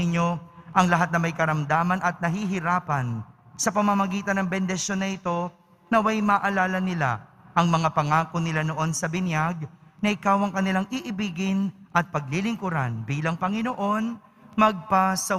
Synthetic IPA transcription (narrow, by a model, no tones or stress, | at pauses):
ɪɲːo̞ʔɐŋlɐɦat̪̚nɐmɐjkɐɾɐmd̪aːmɐnʔɐt̪̚nɐɦiɦɪɾaːpɐnsɐpɐmɐmɐɡiːt̪ɐnɐŋbɛnd̪ɛsjo̞nːɐʔɪt̪o̞ | nɐwajmɐʔɐlaːlɐnɪla̰ | ʔɐŋmɐŋapɐŋaːkonɪlano̞ʔo̞nsɐbɪnjaɡ̚nɐʔɪkawɐŋkɐnɪlaŋʔiʔɪbiːɡɪnʔɐt̪̚pɐɡ̚lilɪŋkʊɾanbiːlɐŋpɐŋɪnoʔo̞n | mɐɡ̚pasɐ